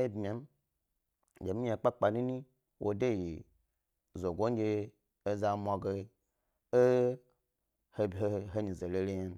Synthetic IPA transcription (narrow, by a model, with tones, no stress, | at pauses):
e˦bmi˨a˨˦m˦ | d͡ʒe˨mĩ˦a˨k͡pa˦k͡pa˨nĩ˦nĩ˦ | wʔo̰˨de˦˨ji˨ | zo˨ɡo˦n˦d͡ʒe˦ | e˦za˦mu˨a˨ɡe˦ | e˦ | he˦bɦe˦ɦe˦ɲĩ˨ze˨le˨le˦ɲa˦n˦